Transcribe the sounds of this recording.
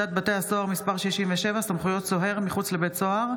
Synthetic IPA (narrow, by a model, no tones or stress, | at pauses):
at̪̚bat̪e̞aso̞aʁmispaʁʃiʃimveʃevasamχujo̞tt͡so̞ɦe̞ʁmiχut͡sle̞betso̞aʁ